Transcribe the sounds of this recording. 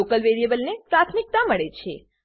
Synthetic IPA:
okəlʋeɾijebəlnepɾat̪ʰmik̚t̪aməɭet͡ʃʰe

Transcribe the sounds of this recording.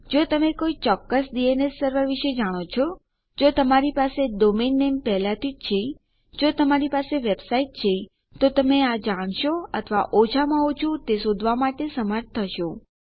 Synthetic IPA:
d͡ʒot̪əmekoit͡ʃɔkːəsɖienesːəɾʋəɾʋiʃed͡ʒaɽ̃ot͡ʃʰo | d͡ʒot̪əmaɾipaseɖominːempɛɦlat̪ʰid͡ʒt͡ʃʰe | d͡ʒot̪əmaɾipaseʋebsaiʈ̚t͡ʃʰe | t̪ot̪əmead͡ʒaɽ̃ʃoət̪ʰəʋaʔod͡ʒʰamãot͡ʃʰũt̪esod̪ʱʋamaʈesəməɾt̪̚t̪ʰːəʃo

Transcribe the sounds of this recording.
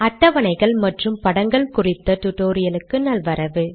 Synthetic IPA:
ɐʈːɐʋɐnɐɪɣɐɭmɐʈrɯmpɐɽɐŋɡɐɭkʊrɪt̪ːɐt̪ʊʈːoːɾɪjɐlɯkːɯnɐlʋɐɾɐʋɯ

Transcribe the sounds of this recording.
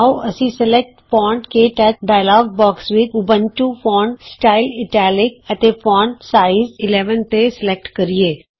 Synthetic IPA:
oʔəsĩsəlɛk̚ʈpɔːɳʈkeʈɛːɖaːɪlaːɡbɔːksʋɪt͡ʃʊbə̃nʈuːpɔːɳɖsʈaːɪlɪʈɛːlɪk̚ət̪epɔːɳɖsaːɪzɪlɛːʋənt̪esɪlɛk̚ʈkəɾieː

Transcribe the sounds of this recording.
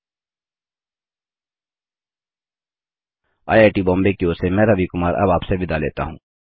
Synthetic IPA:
a̰ːjaːʈibɔ̃ːmbekioːsemɛːɾəʋikʊmaːɾʔɐ̰baːpsebɪd̪alḛːt̪a̰ɦũː

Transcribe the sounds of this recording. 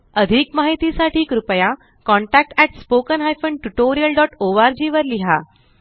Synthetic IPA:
əd̪ʱiːkmaɦit̪isaʈiːkɾupja | kɔ̃ɳʈæk̚ʈæʈspokənɦajfəɳɖʈuʈoɾijəlɖɔʈoʋaɾd͡ʑiʋəɾliɦa

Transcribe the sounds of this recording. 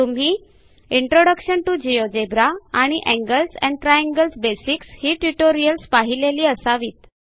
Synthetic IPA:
t̪um̤iː | iɳʈɾoɽəkɕənʈud͡ʑijod͡ʑebɾaaɽ̃iʔɛ̃ŋɡəlsɛ̰̃ɳɖʈɾajãŋɡəlsbesikshiːʈuʈoɾijəlspaɦileliːəsaʋiːt̪̚

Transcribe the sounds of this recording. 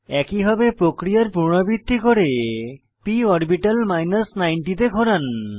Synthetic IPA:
ɛkibʱabepɾokɾijaɾpuɾɳ̃obit̪ːikoɾe | piɔɾbiʈalmajnasnajɳʈit̪eɡʱoɾan

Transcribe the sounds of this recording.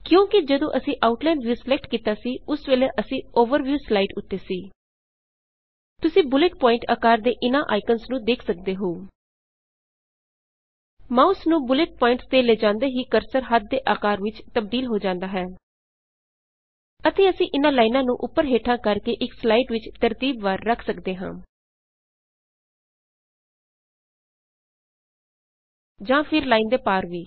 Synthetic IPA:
kjõːkɪd͡ʒəd̪õːʔəsĩːʔaːʊʈlaːnʋjuːsəlɛk̚ʈkiːt̪aːsiːʊsʋeːleːʔəsĩːoːʋəɾʋjuːslaːɪʈʊt̪ːeːsiː | t̪ʊsĩːbʊlɪʈ̚pɔːɪ̃ɳʈa̰ːkaːɾd̪eːʔɪnãːʔaːɪkənsnũːd̪eːkʰsək̚d̪eːɦoː | mãːʊsnũːbʊlɪʈ̚pɔːɪ̃ɳʈst̪eːleːd͡ʒãːnd̪eːɦiːkəɾsəɾɦət̪̚d̪eːʔaːkaːɾʋɪt͡ʃt̪əb̚d̪iːlɦoːd͡ʒãːnd̪aːɦɛː | ət̪eːəsĩːʔɪnãːlaːinãːnũːʔʊpːəɾɦeːʈʰãːkəɾkeːʔɪkslaːiʈʋɪt͡ʃt̪əɾt̪iːbʋaːɾːəkʰsəkd̪eːɦã̰ː | d͡ʒãːpʰɪɾlaːiːnd̪eːpaːɾʋiː

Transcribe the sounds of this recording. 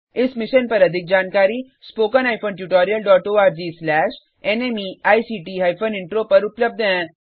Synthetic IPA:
ɪsmɪʃənpɐɾɐd̪ʱik̚d͡ʑaːnkaːɾiː | spoːkənajfoːnʈjuːʈɔːɾijəlɖɔːʈoːaːɾd͡ʑiːslɛːʃ | enemiaːjsiːʈiːɦaːjfʰoniɳʈɾopɐɾʊpləb̚d̪ʱəɛ̃

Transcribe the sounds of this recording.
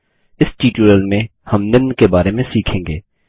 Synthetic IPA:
ɪsʈiːʈuɾəlmẽhɐmnɪnkebaːɾemẽsiːkʰẽːŋɡeː

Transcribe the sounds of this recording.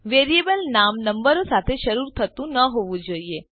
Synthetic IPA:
ʋeɾiebəlnamnəmbəɾosat̪ʰeʃəɾuɾt̪ʰət̪ũnəɦoʋũd͡ʒoːie

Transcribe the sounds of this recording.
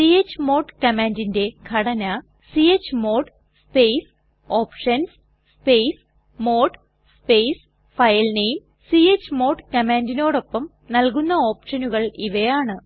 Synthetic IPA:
siet͡ɕːɨmo̞ːʈkɐmaːndinde̞kʰɐɽɐnɐ | siet͡ɕːɨmo̞ːʈ | spejs | o̞ːpʂɐns | spejs | mo̞ːʈ | speːjs | fɐjɐlnejm | siet͡ɕːɨmo̞ːʈkɐmaːndino̞ːɽo̞pːɐm | nɐlkunːɐo̞ːpʂɐnuɣɐɭiʋɐjaːɳɨ

